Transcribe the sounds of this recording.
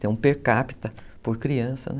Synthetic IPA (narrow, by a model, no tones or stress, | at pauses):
ẽũpeɾkapi̥t̪ɐpoɾkɾiɐ̃sɐ̰n